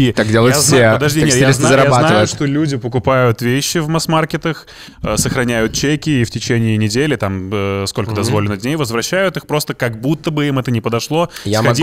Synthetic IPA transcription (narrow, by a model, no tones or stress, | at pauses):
it̪akdʲelˠəjepəd̪ɐʐdʲinʲejaeznazəɾɐjabatnavəjʊʂt̪o̞lʲudʲɪpəkʊpajʊt̪vʲeɕːɪvmɐsmarkʲɪt̪əx | səxɾɐnʲæjʊt̪̚t͡ɕekʲɪːftʲɪt͡ɕenʲɪːnʲɪdʲelʲɪt̪aməsko̞lʲkəd̪ɐzvo̞lʲɪnːəd̪ʲnʲejvəzvɾɐɕːæjʊt̪ɨxpɾo̞st̪əkɐɡ̚but̪ːəbɨimɛt̪ənʲɪpəd̪ɐʂlˠo̞xɐdʲi